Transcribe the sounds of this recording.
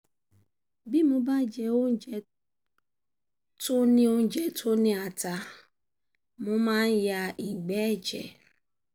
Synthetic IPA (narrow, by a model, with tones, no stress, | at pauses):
bi˦mʊ̃˦ba˦d͡ʒɛ˨o˦n̩˦d͡ʒɛ˨ | tʊ˦nɪ̃˦o˦n̩˦d͡ʒɛ˨tʰʊ˦nɪ̃˦a˨ta˨ | mʊ̃˦mã˦n˦ja˨ʔi˨ɡ͡bɛ˦˨d͡ʒɛ̰˨